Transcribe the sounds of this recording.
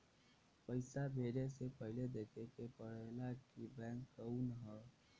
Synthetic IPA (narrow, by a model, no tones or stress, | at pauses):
pəɪsabʱeːɾesepəɦɪled̪eːkʰekepəɽelakkibɛ̃ːŋkːəũnɦɛ